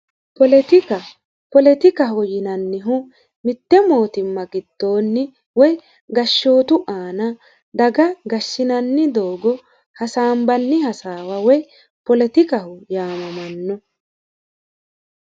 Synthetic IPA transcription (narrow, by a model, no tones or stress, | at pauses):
pɔlɛt̪ɪkɐ | pɔlɛt̪ɪkɐɦʊjɪnɐnːɪɦʊ | mɪt̪ːɛmoːt̪ɪmːɐɡɪd̪̥ːo̞ːnːɪ | wɔj | ɡɐʃːo̞ːt̪ʊʔaːnɐ | d̪ɐɡɐɡɐʃːɪnɐnːɪd̪oːɡɔ | hɐsaːmbɐnːɪhɐsaːwɐwɔj | pɔlɛt̪ɪkɐhʊjaːmɐmɐnːɔ